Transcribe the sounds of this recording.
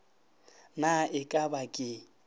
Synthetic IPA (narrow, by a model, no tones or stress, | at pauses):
naɪkʼabakʼɪ